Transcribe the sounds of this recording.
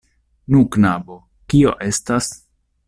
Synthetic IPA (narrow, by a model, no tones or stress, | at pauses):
nuknabo̞ | kio̞ʔe̞stas